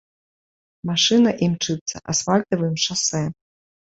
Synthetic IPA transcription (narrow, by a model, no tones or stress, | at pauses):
maʂɨnɐʔimt͡ʂɨt̪sɐ̰ʔa̰sfalʲt̪ɐvɨmʂasɛ